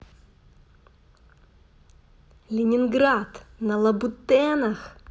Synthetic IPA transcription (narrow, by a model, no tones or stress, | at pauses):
lʲɪnʲɪnɡɾat̪nɐlˠɐbʊt̪ɛnɐx